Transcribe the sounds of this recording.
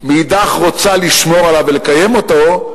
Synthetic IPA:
miːd̪aχʁo̞t͡saliʃmo̞ʁalavelekaje̞mo̞t̪o̞

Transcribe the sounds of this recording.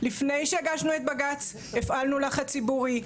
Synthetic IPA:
lifne̞jʃeaɡaʃnue̞t̪baɡat͡s | efalnulaχat͡sibuʁi

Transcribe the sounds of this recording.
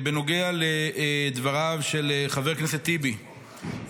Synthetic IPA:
beno̞ɡealed̪vaʁavʃeleχave̞ʁkneset̪ːibi

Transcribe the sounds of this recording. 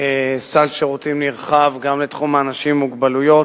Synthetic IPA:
esalʃeʁut̪imnliʁχavɡamlet̪χumaːnaʃimːuɡbalujo̞

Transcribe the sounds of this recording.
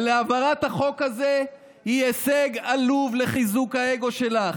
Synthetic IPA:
leavaʁat̪haχo̞kaze | hieseɡaluvle̞χizukhae̞ɡo̞ʃe̞laχ

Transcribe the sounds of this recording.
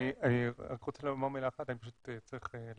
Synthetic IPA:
ianiʁot͡selamaʁmelaχat̪anipaʃut̪et͡saʁiχel

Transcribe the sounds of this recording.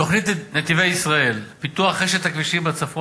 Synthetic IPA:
o̞χnit̪net̪ivejisʁae̞lpit̪uaχːeʃet̪akviʃibat͡safo

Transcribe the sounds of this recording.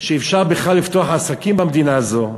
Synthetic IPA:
ʃeːfʃaʁbeχlalːift̪oaħaːsakimbamed̪inaːzo̞

